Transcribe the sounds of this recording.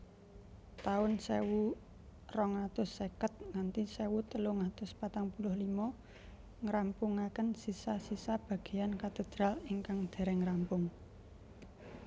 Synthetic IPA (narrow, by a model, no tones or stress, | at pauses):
t̪aʊnsewu | rɔŋat̪ʊsːekət̪̚ŋant̪isewut̪əloŋat̪ʊspat̪aŋpulʊhlimɔ | ŋɾampuŋakənsisasisab̥a̤ɡ̥e̤jankat̪ed̪̥ɾaliŋkaŋd̪̥e̤ɾɛŋɾampʊŋ